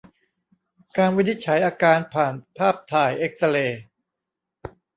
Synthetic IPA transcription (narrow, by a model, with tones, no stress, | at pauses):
kaː˧nwi˦˥ni˦˥t̪̚t͡ɕʰa˩˦jʔaː˧kaː˧npʰaː˨˩npʰaː˥˩p̚t̪ʰaː˧˩jʔe˦˥k̚sa˧leː˧